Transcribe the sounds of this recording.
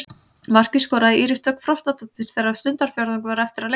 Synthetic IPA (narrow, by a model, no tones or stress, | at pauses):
mar̥cɪskɔːɾaðɪʔiːɾɪst̪œkfɾɔwst̪at̪ɔt̪ɪɾ̥θɛɾaðsʏnt̪aɾ̥fjɔɾðʏŋk̬vaɾɛft̪ɪɾale